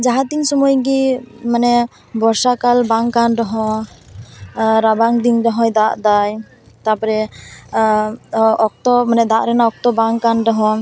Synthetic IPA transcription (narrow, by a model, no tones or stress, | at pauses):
d͡ʒaɦat̪iŋsɔmɔjɡimanɛ | bɔɾsakalbaŋkanɖɔɦɔ̃ | ɾabaŋd̪iŋdɔɦɔjd̪aʔd̪aj | t̪apɔɾɛ | ɔk̚t̪ɔmanɛd̪aʔɾɛnaɔk̚t̪ɔbaŋkanɖɔɦɔ̃